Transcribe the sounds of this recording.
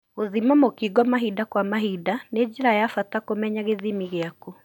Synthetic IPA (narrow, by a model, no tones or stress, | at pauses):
oðimamokiɡɔmaɦidakwamaɦidaned͡ʒeɾajafatakomɛɲaɣeðimiɣeaku